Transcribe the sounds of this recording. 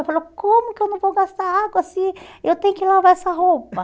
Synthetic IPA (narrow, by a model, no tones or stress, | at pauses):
ewfalowkõmʊkɪewnɐ̃w̃vowɡast̪aɾaɡwɐsiewt̪ẽj̃ʊkɪlavaɛsɐɦowpɐ